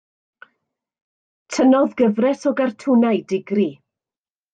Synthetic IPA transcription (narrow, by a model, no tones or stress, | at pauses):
tʰənɔðɡəvrɛsɔɡartʰʊnajdɪɡri